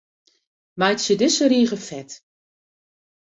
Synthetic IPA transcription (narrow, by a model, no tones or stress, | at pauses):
majtsjədɪsəɾiːɣəfɛt